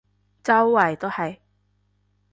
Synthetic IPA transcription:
t͡sɐ˥wːɐ˨˩jt̪o˥whɐ˨˩j

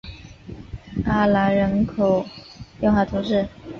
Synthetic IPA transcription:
a˥˩la˧˥ɻə˧˥nkʰo˨˩ʊjŋxa˥˩t̪ʰu˧˥ʂɻ̩˥˩

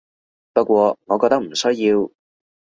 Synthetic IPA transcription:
pɐ˥t̚kʷɔː˧ŋɔː˨˧kɔː˧t̪ɐ˥k̚m̩˨˩sɵ˥jjiː˧w

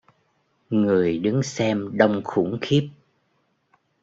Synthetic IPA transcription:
ŋɨ˨˩əjɗɨ˨˦ŋsɛ˧mɗə˧wŋ͡mxṵ˧˩ŋxi˦˥p̚

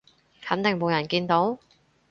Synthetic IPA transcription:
hɐ˨˥nt̪ɪ˨ŋmo˨˧wjɐ˨˩nkiː˧nt̪o˨˥w

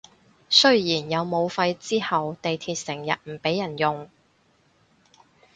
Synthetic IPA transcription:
sɵ˥ɥjiː˨˩njɐ˨˧wmo˨˧wfɐ˧jt͡siː˥hɐ˨wt̪e˨jt̪ʰiː˨˧t̚sɪ˨˩ŋjɐ̰˨t̚m̩˨˩pe˨˥jɐ˨˩njʊ˨ŋ

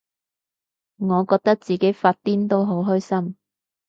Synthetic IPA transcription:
ŋɔː˨˧kɔː˧k̚t̪ɐ˥k̚t͡siː˨ke˨˥jfaː˧t̚t̪iː˥nt̪o˥wɦo˨˥wɦœ˥jsɐ˥m

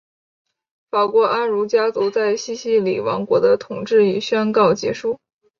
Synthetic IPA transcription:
fa˨˩kwɔ˧˥ʔa˥nɻu˧˥t͡ɕja˥t͡so˧˥ʊt͡sa˥˩ɪɕi˥ɕi˥lḭ˨˩wɑ̰˧˥ŋkwɔ̰˧˥d̪ə˧t̪ʰʊ˨˩ŋʈ͡ʂɻ̩˥˩i˨˩ɕɥɛ˥nkɑ˥˩ʊt͡ɕjɛ̰˧˥ʂu˥˩

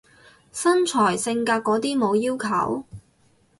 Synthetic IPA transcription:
sɐ˥nt͡ʃʰɔː˨˩jsɪ˧ŋkaː˧t̚kɔː˨˥t̪iː˥mo˨˧wjiː˥wkʰɐ̰˨˩w

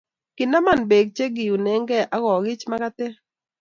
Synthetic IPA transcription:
kɪ˨na˦ma˨nbe˨ɡ̚t͡ʃe˦ɡɪ˨ju˨nɛ˨˦ŋɡɛ˦ʔa˦ɣɔ˨ɡɪ˦t͡ʃma˦ka˦t̪e˦

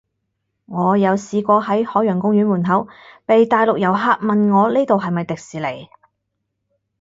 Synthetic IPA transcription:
ŋɔː˨˧jɐ˨˧wsiː˨˧kʷɔː˧hɐ˨˥jhɔː˨˥jœː˨˩ŋkʊ˥ŋjy˨˥nmuː˨˩nɦɐ˨˥wpe˨jt̪aː˨˧jlʊ˨k̚jɐ˨˩wɦaː˧k̚mɐ˨nŋɔː˨˧liː˥t̪o˨wɦɐ˨jmɐ˨jt̪ɪ˨k̚siː˨le˨˩j

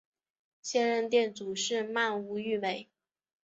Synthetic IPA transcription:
ɕjɛ˥nɻə˥˧nt̪jɛ˥˩nt͡su˨˩ʂɻ̩˥˧ma˥˩nu˧˥y˥˩me˨˩˦ɪ

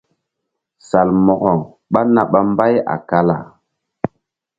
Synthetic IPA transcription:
sa˨lmɔ˨ɣɔ˨ŋ | ɓa˦na˨ɓa˦mba˦ja̰˨ka˦la˨

